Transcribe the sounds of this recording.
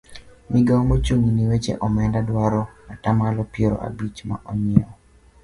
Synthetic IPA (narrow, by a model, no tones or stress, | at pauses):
mɪɡamot͡ʃuŋuniwet͡ʃḛʔɔmɛndadwaɾɔatamalɔpjeɾɔ̰ʔa̰bit͡ʃma̰ʔɔɲɪɔ